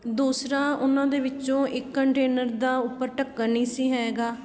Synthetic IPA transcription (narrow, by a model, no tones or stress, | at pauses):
d̪uːsɾaːʊnãːd̪eːʋɪt͡ʃõːʔɪkːəɳʈeːnəɾd̪aːʊpːəɾʈəkːəniːsiːɦɛːɡaː